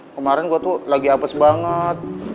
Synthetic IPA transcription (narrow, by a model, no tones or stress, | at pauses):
kəmaɾɛnɡuat̪ulaɡiapəsbaŋət̪̚